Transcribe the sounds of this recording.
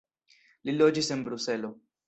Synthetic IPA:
lilɔd͡ʒisembɾusɛlo

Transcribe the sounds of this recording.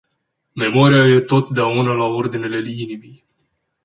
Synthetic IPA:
me̞mo̞ɾijaje̞t̪o̞t̪d̪eaunəlao̞rd̪ine̞le̞linibij

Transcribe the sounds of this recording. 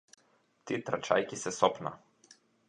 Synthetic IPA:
t̪et̪ɾat͡ʃa̰jkisɛsɔpna̰

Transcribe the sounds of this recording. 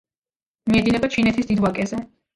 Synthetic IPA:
miɛd̪inɛbat͡ʃʰinɛt̪ʰisd̪id̪wakʼɛzɛ

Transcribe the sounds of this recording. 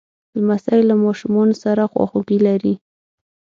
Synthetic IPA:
d̪̥əmasɑjɪlːamɑʃumɑnosaɾaxwɑ̰xoɡilaɾi

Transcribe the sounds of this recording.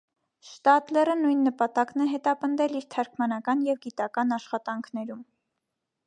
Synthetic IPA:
ʃt̪ɑt̪lɛrənujnːəpɑt̪ɑknɛɦɛt̪ɑpənd̪ɛliɾt̪ʰɑɾkʰmɑnɑkɑnjɛvɡit̪ɑkɑnɑʃχɑt̪ɑŋkʰnɛɾum

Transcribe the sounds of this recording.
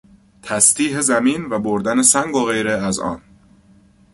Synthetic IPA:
t̪ʰæst̪iːɦezæmiːnvæboɾd̪ænesæŋɡoɣe̞jɾeæzɒ̰ːn

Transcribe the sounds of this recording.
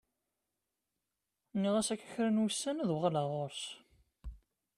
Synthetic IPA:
niʁæsækːæ̥çɾənwəsːænðwʁalaʁoɾs

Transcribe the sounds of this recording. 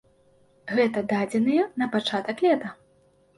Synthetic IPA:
ɣɛt̪ɐd̪ad͡zʲɛnɨjɛnɐpat͡ʂat̪ɐklʲɛt̪ɐ

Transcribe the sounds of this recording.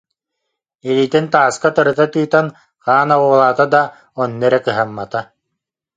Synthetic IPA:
iliːt̪int̪aːskat̪ɯɾɯt̪at̪ɯːt̪an | χaːnawuːlˠaːt̪ad̪a | ɔnːɛɾɛkɯɦamːat̪a

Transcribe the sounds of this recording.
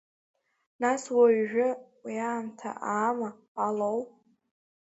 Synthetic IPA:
naswaɥʒᶣʊwiaːmtʰa̰ʔaːma | alowʼ

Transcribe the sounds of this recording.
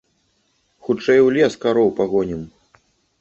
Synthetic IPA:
xut͡ʂɛjwlʲɛskaɾɔwpaɣɔnʲim

